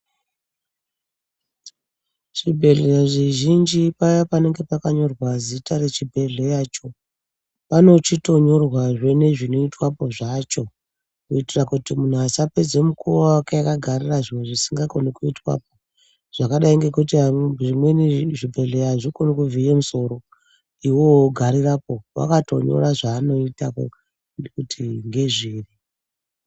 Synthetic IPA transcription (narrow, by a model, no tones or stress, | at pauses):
ʃibʱe̞ɮeʐiʒind͡ʒipajapane̞ŋɡe̞pakaɲo̞rwazitaɾe̞t͡ʃibʱe̞ɮe̞jaːt͡ʃo̞ | pano̞t͡ʃito̞ɲo̞rwaʐe̞ne̞ʐino̞itwapo̞ʐat͡ʃo̞ | kuitirakutimun̤uasaped͡zemukuwawakeakaɡʱariraʐiweʐisiŋɡakonikuitwa̰p̚o̞ | ʐ̥akaɗaiŋɡe̞kut̬iaʐimwe̞niʐibʱe̞ɮejaʐikonokuvʱijemuso̞ɾo̞ | iwo̞ɡʱaɾirapo̞wa̰kato̞̰ɲo̞̰ɾaʐaːno̞itako̰ | ekutʰiŋɡe̞ʐiːri